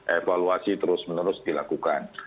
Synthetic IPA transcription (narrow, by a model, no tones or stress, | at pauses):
ʔefaluasit̪əɾʊsmənəɾʊsdilakukan